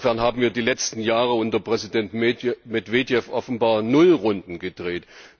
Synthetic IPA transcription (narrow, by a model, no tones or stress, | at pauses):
fɛɐnhaːbm̩viːɐdiːlɛt͡stn̩jaːʁəʊntɐpʁ̥ɛzidɛntmɛdv̥eːdjɛfʔɔfn̩baːɐnʊlʁʊndn̩ɡəd̥ʁeːt